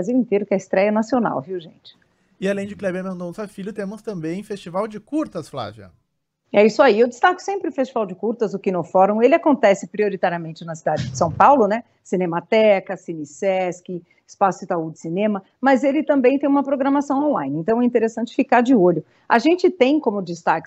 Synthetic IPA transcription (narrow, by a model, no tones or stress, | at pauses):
aziwĩnt̪eɾʊkaɪst̪ɾɛjɐnasiona̰wviwʒḛ̃nt͡ʃɪ̥ | ɪalẽj̃d͡ʒɪklɛbɐmẽd̪õsafiʎʊt̪ẽmʊst̪ɐ̃mbẽj̃fest͡ʃivawd͡ʒɪkuɾt̪ɐsfla̰viɐ̰ | ɛisʊaiewd͡ʒɪst̪akʊ̥sẽmpɾɪʊfest͡ʃivawd͡ʒɪkuɾt̪ɐzʊkɪnofɔɾõelɪakõnt̪ɛsɪpɾioɾit̪aɾiɐmẽnt͡ʃɪnɐsid̪ad͡ʒɪd͡ʒɪsɐ̃w̃pawlʊnɛ | sinẽmat̪ɛkɐsinisɛskɪ | ɪspasʊɪt̪aud͡ʒɪsinẽmɐ | mɐzelɪt̪ɐ̃mbẽj̃t̪ẽj̃ũmɐpɾoɡɾɐmasɐ̃w̃õlã̰j̃nɪẽnt̪ɐ̃w̃ɛĩt̪eɾesɐ̃nt͡ʃɪ̥fikaɾd͡ʒɪoʎʊ | a̰ʒẽnt͡ʃɪt̪ẽj̃kõmʊd͡ʒɪst̪akɪ̥